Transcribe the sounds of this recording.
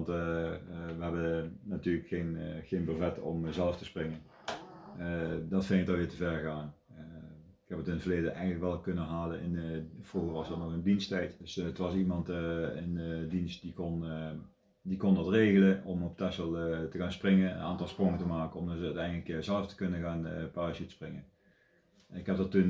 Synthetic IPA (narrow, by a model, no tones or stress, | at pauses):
nt | ʋəɦɛbəːatyːləkxejnχejnbəɹvɛtɔ̰mzɛlˠəftəsprɪŋən | dɑtfeŋtɑlʋɪːtəvɛɹɣaːn | ɪkɦɛpətɪnətvəɹrlejdənʔɛjɣənləkʋɛlˠkɵnənɦaːlənɪnv̥ruɣəɹʋɑsdɑtnɔxəndinstɛjtdsətʋɑsimɑntɪnədinst̚dikɔn | dikɔndɑtreːɣələɔmɔp̚tɛsəlˠtəɣaːnsprɪŋən̰nʔaːntɑlˠsprɔŋətəmaːkənɔmdzəœɥtɛjndələkzɛlˠəftə̥kɵnənɣaːnpaːsətə̥sprɪŋən | nɪkɦɛp̚dɑtun